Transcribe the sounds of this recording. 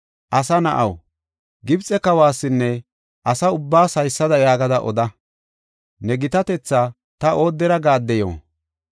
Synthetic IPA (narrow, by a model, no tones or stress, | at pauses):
ʔɐsɐnɐʔɐw | ɡɪbt͡sʼɛkɐwaːsːɪnːɛ | ʔɐsɐʊbːaːsɐjsːɐd̪ɐjaːɡɐd̪ɐʔɔ̰d̪ɐ | nɛɡɪt̪ɐt̪ɛt͡sːa | t̪ɐʔo̞ːd̪ːɛɾɐɡaːd̪ːɛjo̰ː